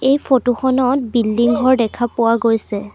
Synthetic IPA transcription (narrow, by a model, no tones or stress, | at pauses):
ejpʰotuxɔnɔt̚bildiŋɦɔɹdɛkʰapʊwaɡojsɛ